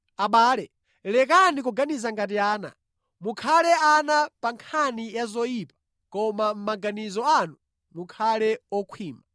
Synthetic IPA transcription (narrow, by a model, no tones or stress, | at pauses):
aɓaːlɛ | lɛk̬anikɔɡanizaŋɡat̬iaːna̰ | mukʰalɛanapaŋkʰanijazɔjiːpḁ | kɔmam̩maɡanizɔanu | mukʰalɛɔkʰwiːma